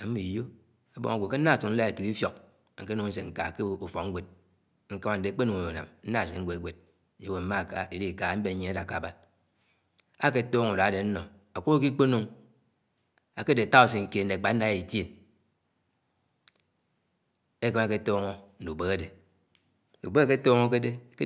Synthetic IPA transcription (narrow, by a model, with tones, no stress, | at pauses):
a˨m̩˦mi˨jo˦ | a˦bo̰˦ŋa˨ɡʷo˨ke˦n̩˦na˦˨su˨n̩˦la˦e˨tu˨ki˦fjo˨k̚ | ŋ̩˨ke˦nu˦ŋn̩˦s̬e˨ŋ̩˨ka̰˨ke˦u˨fo˨˦ŋ̩˦ɡʷe˨t̚ | ŋ̩˦ka˦ma˦n̩˨de˨˦k͡pe˦nu˨ŋ˨o˨a̰˨mn̩˦na˦˨s̬e˨ŋ̩˦ɡʷe˨˦ɡʷe˨d̚ | d͡ʒe˦we˨m̩˦ma˦˨ka̰˨i˨ɾi˦˨ka˨˦m̩˦be˨˦ɲe˨˦a˦da˨ka˨ba˦ | a˦ke˦toː˦ŋu˨da˨a˦de˨n̩˦no˨ | a˨kʷu˦o˦ki˦k͡po˦nu˦ŋ | a˨ke˦de˨ta˦o˦s̬e˨ŋ̩˨ke˦˨n̩˨de˨k͡pa˨˦n̩˦a˦i˨tje˦n | e˦ke˦ma˨ke˦toː˦ŋo˦n̩˨du˨be˦ɣa˦de˨ | u˨be˦a˦ke˦toː˦ŋo˦ke˦de˦ke˦